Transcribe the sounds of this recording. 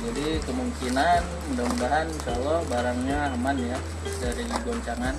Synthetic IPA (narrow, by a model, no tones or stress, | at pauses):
d͡ʒadikəmuŋkinan | mudamudaɦansalahbaɾaŋɲaamanja | daɾiɡɔɲt͡ʃaŋan